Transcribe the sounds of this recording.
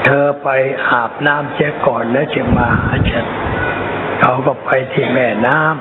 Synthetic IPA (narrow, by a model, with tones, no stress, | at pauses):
t̪ʰɤː˧pa˧jʔaː˨˩p̚naː˥˩˨msʰi˦˥əkɔː˨˩nːɛː˦˥si˧˦maː˧haː˧˩t͡ɕe˨˩t̪̚ | kʰa˧˩wkɔ˧˩pa˧jt̪ʰiː˧˩mɛː˧˩naː˥˩˨m